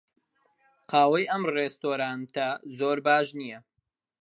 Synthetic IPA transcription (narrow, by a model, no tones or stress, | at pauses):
qʰɑːwɐjʔɐmrest̪oːɾaːnt̪ɐzoːɾbaːʒnijɐ